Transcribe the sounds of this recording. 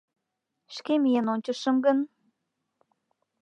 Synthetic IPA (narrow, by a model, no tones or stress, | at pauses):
ʃkemijənonʲt͡ɕəʃəmɡən